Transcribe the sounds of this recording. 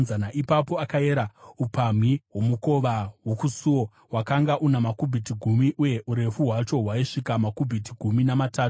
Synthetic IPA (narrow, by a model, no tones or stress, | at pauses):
zanaʔipapo̞akae̞ɾaupam̤iɦwo̞muko̞ʋawokusuwo | wakaŋɡaʔunamakubʱitiɡʱumiʔuje̞ʔuɾe̞fuɦwat͡ʃo̞ɦwaiʂikamakubʱitiɡʱuminamataːu